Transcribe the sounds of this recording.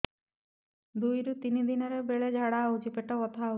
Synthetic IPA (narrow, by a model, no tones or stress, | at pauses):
d̪ujɾut̪inid̪inɔɾebeɭed͡ʒʱaɽaud͡ʒipeʈɔɔt̪ʰau